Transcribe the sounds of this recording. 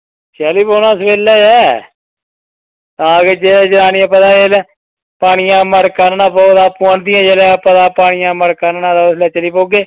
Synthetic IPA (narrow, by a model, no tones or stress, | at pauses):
t͡ʃɛːliːpoːnãːsʋeːlːɛːjɛː | t̪ãːɡed͡ʒeːleːd͡ʒɾaːniãːp̬ət̪aːelː | paːɽɪjãːməɾkəɾnãːpoːd̪aːpuɳd̪ɪjãːd͡ʒeːlɛːpət̪aːpaːɽɪjãːməɾkəɾnãːd̪aːslɛːt͡ʃəliːpoːɡeː